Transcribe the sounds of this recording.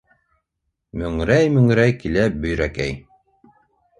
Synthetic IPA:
mɵ̆ŋɾæjmɵ̆ŋɾæjkilæbɵ̆jɾækæj

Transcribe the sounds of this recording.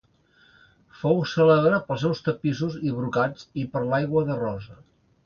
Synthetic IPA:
fowsələβɾapəlˠs̬ɛwst̪əpisuziβɾukad͡zipəɾlajɣwəðərɔzə

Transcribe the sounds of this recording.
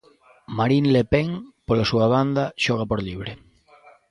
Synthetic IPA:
maɾinlepeŋpolasuaβand̪aʃoɣ̞apoɾliβ̞ɾe

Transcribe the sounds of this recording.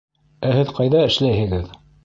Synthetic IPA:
æhɘðqɑjðɑɘ̆ʃlæjhɘ̆ɡɘð

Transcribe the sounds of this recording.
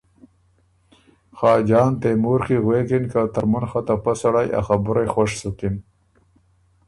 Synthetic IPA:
xɑːd͡ʒɑːnt̪emuɾxiɣweːkinkat̪aɾmunxat̪apasaɽajʔa̰xabʊɾajxwaʂsukin

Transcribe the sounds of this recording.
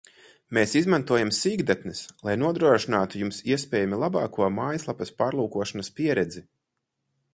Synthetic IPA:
meːsizmant̪uɔjamsiːɡd̪at̪nɛslˠajnuɔd̪ɾuɔʃinaːt̪ujumsiɛspʲɛːjamilˠabaːkuɔmaːjslˠapɐspaːɾlˠuːkuɔʃanɐspʲiɛɾɛd̪zi

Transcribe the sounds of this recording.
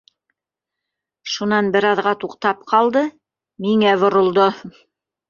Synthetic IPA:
ʃunɑnbɘ̆ɾɑðʁɑt̪uqt̪ɑp̚qɑlˠd̪ɤ | miŋæβŏɾŏlˠd̪o

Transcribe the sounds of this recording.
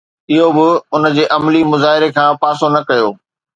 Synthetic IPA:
ɪɦobɪʊnə̆d͡ʑeːʔɐmlimʊzaːɦɪɾekʰãːpaːsonɐkɐjoː

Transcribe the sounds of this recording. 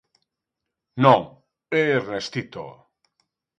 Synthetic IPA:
noŋ | ernest̪it̪o̰

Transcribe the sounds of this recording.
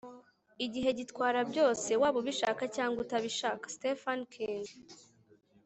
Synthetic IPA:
iɟiɦe̞ɟitkwaːɾabɟo̞ːse̞waːβoβiʃaːkacaːŋɡutaβiʃaːkḁstefankʰiŋɡ

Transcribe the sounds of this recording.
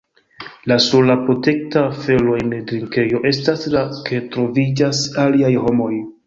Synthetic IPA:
lasolapɾo̞te̞k̚tafe̞lo̞enedɾiŋke̞jo̞ʔe̞staslakʰe̞tɾo̞vid͡ʒasaliajho̞mo̞j

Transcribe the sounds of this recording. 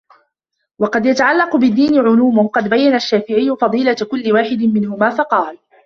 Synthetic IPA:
wɑqɑd̪jat̪aʕalːɑqʊbɪd̪ːiːnɪʕʊluːmʊhqɑd̪bajːanaʃːaːfɪʕɪjːʊfɑd̪ˤiːlakʊlːɪwaːħɪd̪ɪmɪnhʊmaːfɑqɑːl

